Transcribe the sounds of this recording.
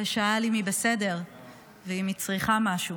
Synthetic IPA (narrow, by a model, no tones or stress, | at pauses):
eʃaalimibese̞de̞ʁ | veimit͡sʁiχamaʃu